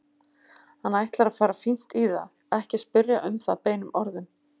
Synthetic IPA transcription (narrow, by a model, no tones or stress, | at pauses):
hanːajht̪laɾaðfaːɾafin̥t̪iða̰ | ɛhcɪspʏɾjaʔʏmθapeːjnʏmʔɔɾðʏm